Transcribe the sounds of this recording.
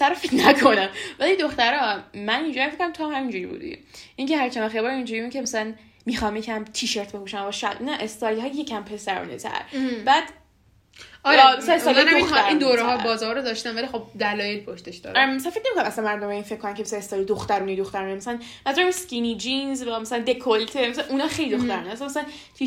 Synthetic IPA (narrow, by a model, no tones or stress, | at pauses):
sæɾɒfit̪nækʰonæmvælid̪oxt̪æɾɒmænind͡ʒjæmfekʰːonæamt̪ʰoɦæmind͡ʒuɾḭbṵːd̪ḭʔiŋcʰeɦæɾt͡ʃʰænæxebɒːɾind͡ʒuɾibukcʰemæsælæn | miːxɑmjecʰæmt̪ʰiːʃeɾt̪̚ʰbekuʃæmæbɒʃæ̰lnæʔest̪ɒːjlɒːjecʰæmpʰe̞sæɾɔ̰ːnḛt̪ʰæ̰ɾbæd̪̥ | ɒːjmæslæneslindoind̪oɾɛɦɒbɒːzɒːɾod̪ɒʃt̪ænvælixob̚d̪ælɒːjelpʰoʃt̪eʃd̪ɒ̰d̪æsænfecnemikonamʔæsænmæɾd̪omeinfecʰkːonæmcʰeasænest̪ɒjlid̪oxt̪æɾuːnejd̪oxt̪æɾuːnemæsælæn | mæzuɾæmeskinid͡ʒinzvæmæsælænd̪e̞kʰolt̪ʰemæsælænʔunɒːxejlid̪oxt̪æɾuːnææsæmæs̬ælæn | t̪ʰi